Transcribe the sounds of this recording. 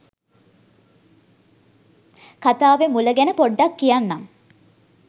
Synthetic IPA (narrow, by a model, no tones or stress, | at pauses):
kat̪aːʋemuləɡænəpoɖːakːijanːam